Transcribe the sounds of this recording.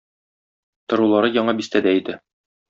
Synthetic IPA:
t̪ŏɾulˠɑɾɤjɒɴɑbist̪æd̪æid̪ɘ

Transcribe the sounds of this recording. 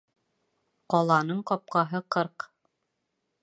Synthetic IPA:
qɒlˠɑnɤɴqɒp̚qɑɦɤqɤɾq

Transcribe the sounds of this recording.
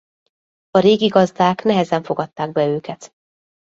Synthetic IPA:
ɒɾeːɡiɡɒzd̪aːknɛɦɛzɛɱfo̞ɡɒt̪ːaːɡ̚bɛøːkɛt̪

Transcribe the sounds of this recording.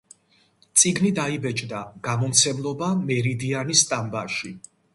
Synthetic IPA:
t̪sʼiɡnid̪aibɛt͡ʃʼd̪aɡ̥amɔmt̪sʰɛmlˠɔbamɛɾid̪ianist̪ʼambaʃi

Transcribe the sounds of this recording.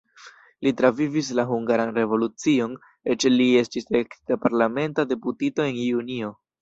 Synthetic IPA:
litɾavivis̬laɦuŋɡaɾanɾe̞vo̞lut͡sio̞n | et͡ʃelie̞stisektapaɾlame̞ntade̞putito̞e̞nunio̞

